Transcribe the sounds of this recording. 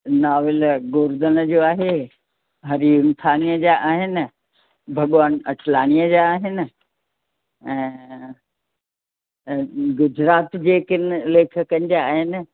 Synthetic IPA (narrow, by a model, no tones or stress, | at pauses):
naːʋɪlɡoːɾd̪ənə̆d͡ʑoːaːɦe | ɦɐɾiʊmt̪ʰaːnijəd͡ʑaʔaːɦɪnɪ̆ | bʱɐɠʋaːnɐʈʰlaːñijəd͡ʑaːɦɪnɪ̆ | ɛ̃ː | ɡʊd͡ʑɾaːt̪d͡ʑeːkɪnleːkʰə̆kɐ̃n̆d͡ʑaaːɦɪnɪ̆